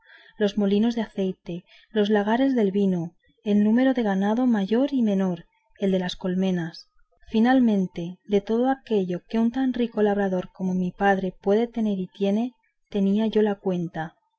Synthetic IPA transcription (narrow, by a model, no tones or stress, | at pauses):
lo̞zmo̞lino̞zðeaθe̞jt̪e̞ | lo̞zlaɣ̞aɾe̞zðe̞lβino | enːũme̞ɾo̞ðe̞ɣ̞anaðo̞maʝo̞ɾimẽ̞no̞ɾ | e̞ld̪e̞lasko̞lme̞nas | finalmẽ̞nt̪e̞d̪e̞t̪o̞ð̞oake̞ʎo̞ke̞unt̪anriko̞laβ̞ɾaðo̞ɾko̞momipað̞ɾe̞pwe̞ðe̞t̪e̞ne̞ɾit̪je̞ne̞ | t̪e̞niaʝo̞lakwe̞nt̪a